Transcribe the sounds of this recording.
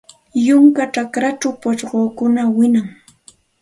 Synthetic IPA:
jʊŋkaʈ͡ʂakɾaʈ͡ʂawpat͡ʃɢoːkʊnawɪnaŋ

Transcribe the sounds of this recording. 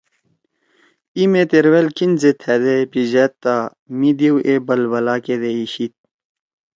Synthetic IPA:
imet̪eɾwelkinzet̪ʰɛd̪epizɛt̪ːa | mid̪iwʔebɐlwɐlaːked̪eiɕit̪̚

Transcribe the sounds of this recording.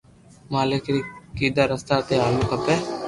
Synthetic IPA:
maːlekɾiːkiːd̪aːɾəst̪aːt̪eːaːlukɐpeː

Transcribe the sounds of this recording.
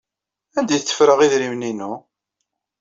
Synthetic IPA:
ænd̪æjθːə̥fɾəʁiðɾimninu

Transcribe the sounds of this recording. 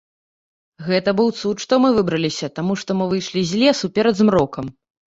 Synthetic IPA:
ɣɛt̪ɐbɨwt̪sut̪ʂt̪ɔmɨvɨbɾɐlʲisʲɐt̪amuʂt̪ɔmɨvɨjʂlʲizʲlʲɛsupʲɛɾɐd̪zmɾɔkɐm

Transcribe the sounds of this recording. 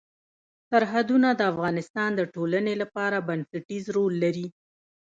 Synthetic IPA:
saɾɦad̪unad̪əafɣɑnɪst̪ɑnd̪əʈolanelapɑɾabansaʈizɾolːaɾi

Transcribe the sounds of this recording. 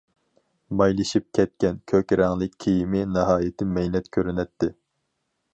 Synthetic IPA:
mɑjlˠɨʃip̚kʲʰɛt̪̚kʲɛnkʲʰøkʲɾɛŋlˠɪkʲːʰijimɪnɨɦɑːjɪt̪ʰɪmɛjnɛt̪kʲʰøɾynɛt̪ʰːɪ

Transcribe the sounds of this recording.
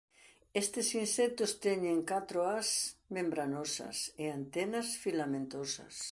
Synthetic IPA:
est̪ɪsinsɛk̚t̪ost̪ɛɲẽŋkat̪ɾoasmẽmbɾanosɐ̰seant̪ɛnɐsfilamẽnt̪osɐ̰s

